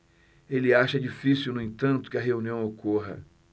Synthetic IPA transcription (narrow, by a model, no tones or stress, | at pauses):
elɪaʃɐd͡ʒifisiuwnʊẽt̪ɐ̃nt̪ʊ̥kɪɐɦeũniɐ̃w̃okʰoɦɐ̰